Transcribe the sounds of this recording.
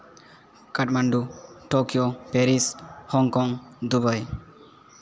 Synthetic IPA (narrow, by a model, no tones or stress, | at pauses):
kaʈ̚maɳɖuʈokijopeɾishɔŋkɔŋd̪ubəj